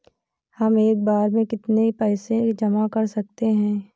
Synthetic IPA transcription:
hɐmeːk̚baːɾmẽkɪt̪nepɛːsed͡ʒɐmakɐɾsɐk̚t̪eɦɛ̃ː

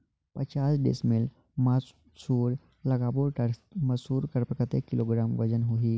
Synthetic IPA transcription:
pət͡ɕasɖḛsmel | mə | suːɾ | ləɡaboɾʈəɾməsuːɾkəɾpəkət̪ekːiloɡɾamʋəd͡ʑənɦoɦi

